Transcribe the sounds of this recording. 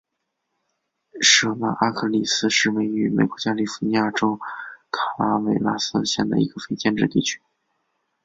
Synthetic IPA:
ʂɤ˨˩na˧˥ʔa˥kʰɤ˧˥˩li˨˩sɹ̩˥ʂɻ̩˥˩we˧˥ɪy˧˥me˨˩ɪkwɔ˧˥t͡ɕja˥li˥˩fu̥˧˥ni˧˥ja˥˩ʈ͡ʂo˥ʊkʰa˨˩la˥we˧˩ɪla˥sɹ̩˥˧ɕjɛ˥˩nd̪ə̰˩ḭ˧˥ɡ̥ə˧fe˥ɪt͡ɕjɛ˥˧nʈ͡ʂɻ̩˥˧t̪ḭ˥˩t͡ɕʰy̥˥

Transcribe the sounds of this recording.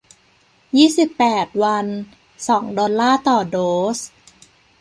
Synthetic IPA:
jiː˥˩si˨˩pːɛː˨˩t̪̚wa˧n | sɔː˩˦ŋdɔː˧nlaː˥˩t̪ɔː˨˩doː˨˦s

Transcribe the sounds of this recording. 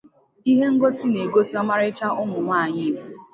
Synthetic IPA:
i˦ɦe˦ŋ̩˦ɡo˦si˦ne˨ɡo˦si˦ɔ˦ma˦ɾɪ˦t͡ʃa˦ʔʊ˦ŋʊ˨ŋʷa˦˨ɲɪ˦˨bu˨

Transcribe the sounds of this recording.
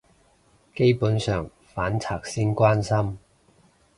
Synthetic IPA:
ke˥jpuː˨˥nsœː˨˩ŋ | faː˨˥nt͡sʰaː˨˩k̚siː˥nkwaː˥nsɐ˥m

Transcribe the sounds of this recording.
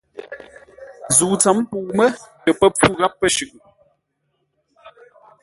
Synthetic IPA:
zuː˨t͡sa˨˦m˦pu˨mə˦tə˨pə˦p͡fu˦ɣa˦pːə˦ʃʉ˨ʔ

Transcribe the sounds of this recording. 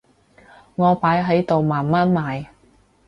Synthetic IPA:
ŋɔː˨˧paː˨˥jɦɐ˨˥jt̪o˨wmaː˨˩nmaː˥nmaː˨˧j

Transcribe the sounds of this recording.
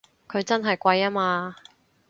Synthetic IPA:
kʰɵ˨˧ɥt͡sɐ˥nɦɐ˨jkʷɐ˧jaː˥maː˧

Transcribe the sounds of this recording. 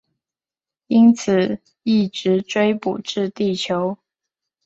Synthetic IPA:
i˥nt͡s̩ʰ˨˩ | i˥˩ʈ͡ʂɻ̩˨˥ʈ͡ʂwe˥ɪpṵ˨˩ʈ͡ʂɻ̩˥˧t̪i˥˩t͡ɕʰjo˧˥ʊ

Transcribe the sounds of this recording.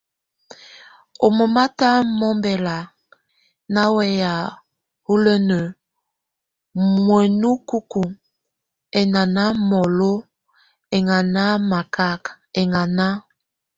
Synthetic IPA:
o˨mo˨ma˦ta˦mɔ˦mbɛ˨la˨ | na˦wɛ˦ja˨ | u˦lə˦nə˨ | mwə˨nu˦ku˦ku˨ŋ | ɛ˨na˨na˦mɔ˨lo˦ | ɛ˨ŋa˨na˦ma˨ka˦k | ɛ˨ŋa˨na˦

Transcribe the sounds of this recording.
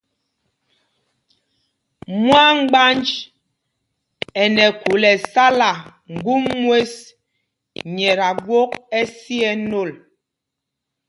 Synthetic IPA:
mwa˦ŋ̩˦ɡ͡ba˦nd͡ʒ | ɛ˨nɛ˨ku˨lɛ˨sa˦la˨ŋ̩˨ɡu˦mːwe˦s | ɲɛ˨ɾa˨ɡwo˦k̚ɛ˦si˦ɛ˦no˦˨l

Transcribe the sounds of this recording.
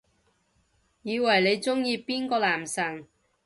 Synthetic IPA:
jiː˨˧wɐ˨˩jle˨˧jt͡sʊ˥ŋjiː˧piː˥nkɔː˧laː˨˩msɐ˨˩ŋ

